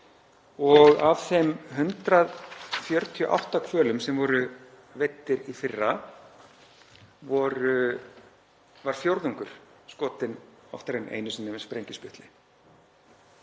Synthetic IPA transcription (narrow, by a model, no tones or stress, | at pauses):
ɔɣav̥θɛmɦʏnt̪ɾaðfjœɾt̪ʰiɔ̰ʔa̰wht̪akʰvœːlʏmsɛmvɔɾʏ | vet̪ːɪɾifɪrːa | vɔɾʏ | vaɾ̥fjowɾðuŋkʏɾ̥skɔːt̪ɪnɔ̰ft̪aɾenḛːjnʏsɛnɪvɪnspɾejɲcɪspʏht̪lɪ